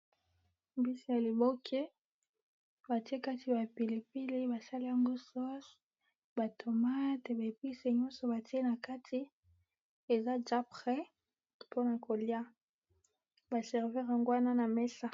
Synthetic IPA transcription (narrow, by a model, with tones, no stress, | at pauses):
bi˦si˦ja˨li˨bo˦kʰe˦ | ba˨ti˦e˦ka˦tʰi˨ba˨pi˨le˨pi˦le˦ba˨sa˦li˦ja˦ŋɡo˦sɔ˦s | ba˨tʰo˨ma˦te˨ba˨e˨pi˦se˨ɲɔ̃˦nsɔ˨ba˨ti˦e˦na˨ka˦tʰi˦ | e˨za˦d͡ʒa˦pʁɛ˦ | po˦na˨ko˨li˦a˦ | ba˨sɛ˨ʁvi˦ʁa˨ŋɡwa˦na˦na˨mɛ˦sa˦